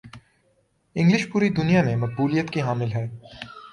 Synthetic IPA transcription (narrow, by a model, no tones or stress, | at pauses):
ɪ̃ŋɡlɪʃpuːɾid̪ʊnijamẽmɐk̚buːlijət̪kiɦaːmɪlɦɛː